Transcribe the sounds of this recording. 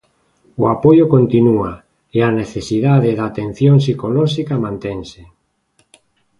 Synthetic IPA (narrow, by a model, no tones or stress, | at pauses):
oapojokont̪inua | eaneθesiðaðeðaːt̪en̟θjoŋsikolɔʃikamãnt̪ɛŋse